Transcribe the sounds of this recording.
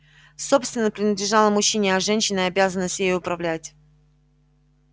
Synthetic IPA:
so̞pst̪vʲɪnːəpɾʲɪnʲəd̪lʲɪʐɑlˠəmʊɕːinʲɪɐʐɛnʲɕːɪnəɐbʲazənəst̪ʲjejʊpɾɐvlʲætʲ

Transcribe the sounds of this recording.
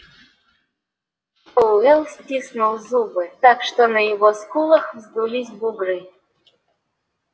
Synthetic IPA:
olɛlˠsʲtʲisnulˠzubɨt̪akʂt̪onəjɪvoskulˠəxvzd̪ulʲisʲbubɾɨ

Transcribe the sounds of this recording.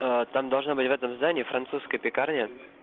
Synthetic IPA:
ət̪amd̪ɐlˠʐnobɨtʲvɛt̪əmzd̪anʲɪːfɾɐnt̪suskəjəpʲɪkarnʲə

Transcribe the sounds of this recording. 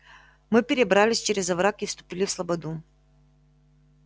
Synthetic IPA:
mɨpʲɪɾʲɪbɾalʲɪsʲt͡ɕeɾʲɪzɐvɾakifst̪ʊ̥pʲilʲɪfslˠɐbɐd̪u

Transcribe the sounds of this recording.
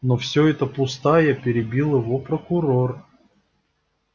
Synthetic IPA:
nofsʲɵɛt̪əpʊst̪ajəpʲɪɾʲɪbʲilˠjɪvopɾəkʊɾor

